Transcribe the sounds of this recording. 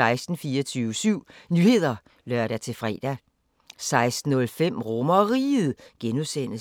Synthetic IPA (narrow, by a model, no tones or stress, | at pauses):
ɑ̈ɪsd̥n̩fiːɒt͡sʰyːʊəsyʊ̰nyːhe̝ð̞̰ˠɐ | lœɐ̰ɾ̥æt͡sʰe̝fʁɛ̰ːd̥æ | sɑ̈ɪsd̥n̩ɔ̽lfem̰ʁɔmɐɒʁḭːð̩ˠɡ̥enusen̰ə